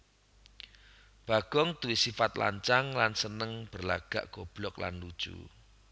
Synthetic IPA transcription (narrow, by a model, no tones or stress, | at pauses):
b̥a̤ɡ̥ɔŋt̪uwisifat̪la̰ɲt͡ʃaŋlansənəŋb̥ərla̰ɡ̥a̰ʔɡ̥ob̥lɔkla̰nlud̥ʒ̥ṵ